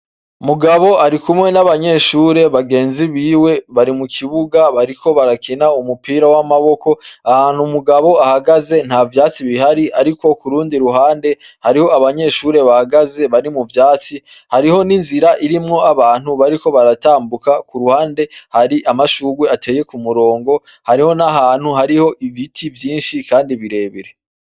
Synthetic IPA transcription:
umuɡaβo̞aɾikumŋe̞naβaɲe̞ʃuːɾe̞βaɡe̞ːnziβiːwe̞βaɾimukʰiβuɡaβaɾikʰo̞βaɾakʰinaumupiːɾawamaβo̞ko̞ahaːn̥humuɡaβo̞ahaɡaze̞n̥havjaːt͡siβihaɾiʔaɾiko̞kuɾuːndiɾuɦaːnde̞ | haɾiho̞aβaɲe̞ːʃuːɾe̞βahaɡaze̞βaɾimuvjaːt͡si | haɾiho̞ninziɾaʔiɾimŋo̞aβaːn̥huβaɾiko̞βaɾataːmbukakuɾuhaːnde̞haɾiʔamaʃuːɡwe̞ate̞ːje̞kumuɾo̞ːŋɡo̞ | haɾiho̞naɦaːn̥huhaɾiho̞ʔivitʰivjiːnʃikaːndiβiɾe̞ːβiɾe̞

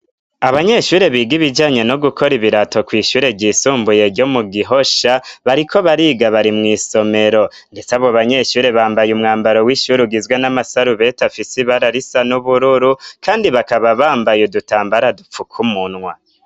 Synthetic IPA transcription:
aβaɲe̞ʃuːɾe̞βiːɡiβid͡ʒaːɲeno̞ɡukʰo̞ɾiβiɾato̞kwiːʃuːɾe̞ɟiːsuːmbuje̞ɾɟo̞muɡiɦo̞ʃaβaɾikʰo̞βaɾiːɡaβaɾimŋiːso̞me̞ɾo̞ | nde̞t͡saβoβaɲe̞ʃuːɾe̞βaːmbajumŋaːmbaɾo̞wiʃuɾuɡizɡwenamasaɾuβe̞tafisiβaɾaɾisanuβuɾuɾukʰaːndiβakaβaβaːmbajudutaːmbaɾadup͡fukʰumunŋwa

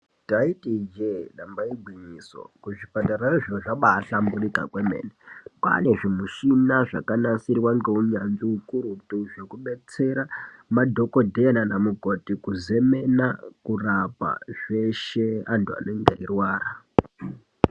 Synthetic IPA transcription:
taitid͡ʒeɗambaiɡʱwiɲiso̰kuʐipataɾariʐoʐaɓaɬamburika̰kwemḛːneka̰ne̞ʐimuʃinaʐa̰kanasirwaŋɡe̞uɲanziukuɾutuʐe̞kuɓe̞t͡se̞ɾamadʱo̞kodʱeananamuɡʱo̞tikuze̞me̞nakurapa̰ʐe̞ʃe̞antua̰noŋɡeirwaːɾa

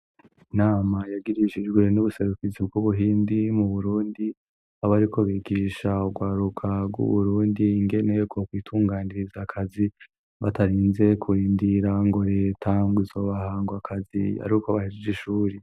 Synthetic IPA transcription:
inaːmajaɡiɾiʃid͡ʒɡwe̞nuβuse̞ɾukizibɡuβuɦiːndimuβuɾuːndi | aβaɾiko̞βiːɡiːʃauɡwaːɾukʰaɡwṵβuɾuːndiːŋɡe̞ne̞b̚ɡo̞kwiːtʰuːŋɡaːniɾizakʰazi | βataɾiːnze̞kʰuɾiːndiɾaŋɡo̞ɾe̞ːtʰaŋɡizo̞βahaːŋɡwakʰazia̰ɾikoβahizd͡ʒiʃuːɾe

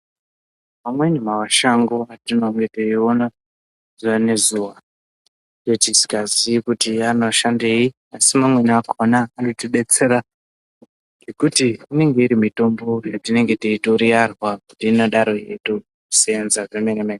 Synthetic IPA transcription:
mamwenimawaʃaŋɡoatino̞ŋɡe̞teio̞na | z̥uane̞zuːʋa | jotisi̥kazikutianoʃande̞i | asimamwe̞niakʰonaːnotiɗe̞t͡se̞ɾa | ɡekutiːne̞ŋɡe̞iɾimito̞mbo̞jatine̞ŋɡe̞tiitoɾiarwakutiːnoɗaɾo̞ḛto | seenzaʐemenemene

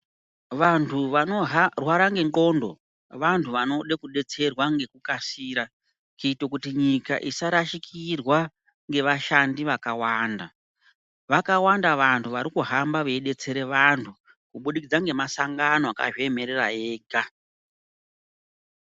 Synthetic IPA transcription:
ʋantʰuʋano̞ɦrwaɾaŋɡe̞ŋɡo̞ːndo̰ | ʋantʰuʋano̞ɗekuɗe̞t͡se̞rwaŋɡe̞kukasiːɾa | t͡ʃiitokutiɲika̰ʔisaɾaʃikʰirwa | ŋɡe̞ʋaʃandiʋakawaːnda | ʋakawandaʋantʰuʋaɾikuɦambaʋeiɗe̞t͡se̞ɾe̞ʋantʰu | kuɓuɗikid͡zaŋɡe̞masaŋɡanoaka̰ʐieme̞ɾerajeːɡa

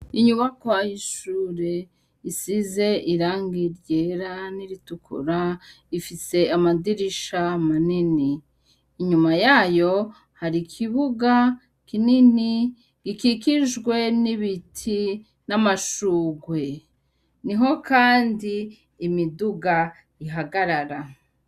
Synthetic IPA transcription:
iɲuβakwajiʃuːɾe̞ | isize̞ʔiɾaːŋɡiɾɟe̞ːɾaniɾitukʰṵɾa | ifise̞amadiɾiʃamaniniː | ɲumajaːjo̞ | haɾikʰiβuɡa | kinini | ɡ̥ikikiʒɡwe̞niβitʰi | namaʃuːɡwe̞ | niɦo̞kaːndiː | miduɡa | iɦaɡaɾaɾa

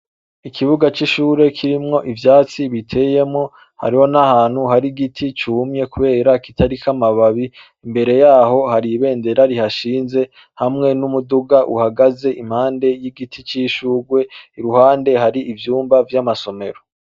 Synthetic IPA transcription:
ikʰiβuɡat͡ʃiʃuːɾe̞kʰiɾimŋo̞ʔivjaːt͡siβitʰe̞je̞mŋo̞ | ha̰ɾiho̞nahaːn̥huɦaɾiɡitʰit͡ʃumɲe̞kuβe̞ːɾakitʰaɾikamaβaβi | imbe̞ɾe̞jaːɦo̞haɾiβe̞ːnde̞ɾaɾihaʃiːnze̞ | hamŋe̞numuduɡaʔṵhaɡaze̞ʔim̥haːnde̞jiɡitʰit͡ʃiʃuːɡwe̞iɾuhaːnde̞ɦaɾiʔivjuːmbavjamaso̞me̞ɾo̞

